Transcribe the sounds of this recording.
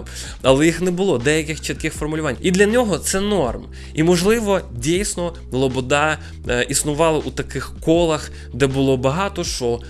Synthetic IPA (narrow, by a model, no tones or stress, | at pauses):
ɐlˠɛjixnɛbʊlˠɔd̪ɛjɐkɪxt͡ʃit̪̚kɪxfɔrmʊlʲʊʋɑnʲid̪lʲɐnʲɔɦɔt̪sɛnɔrm | imɔʒlˠɪʋɔdʲijsʲnɔ | lˠɔbɔd̪ɑ | ʔisnʊʋɑlˠɐʔut̪ɐkɪxkɔlˠɐx | d̪ɛbʊlˠɔbɐɦɑt̪ɔʃt͡ʃɔ